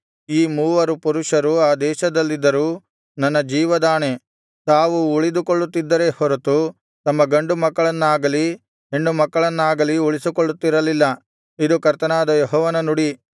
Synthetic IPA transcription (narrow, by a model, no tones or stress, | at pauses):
iːmuːʋɐɾupuɾuʂɐɾuaːd̪ɛːʃɐd̪ɐlːid̪ːɐɾuː | nɐnːɐd͡ʒiːʋɐd̪aːne | t̪aːʋuːɭid̪ukoɭːut̪ːid̪ːɐɾe̞hɔɾɐt̪u | t̪ɐmːɐɡɐɳɖumɐkːɐɭɐnːaːɡɐli | eɳɖumɐkːɐɭɐnːaːɡɐliuɭisikoɭːut̪ːiɾɐlilːɐ | id̪ukɐɾt̪ɐnaːd̪ɐjɔɦɔːʋɐnɐnuɽi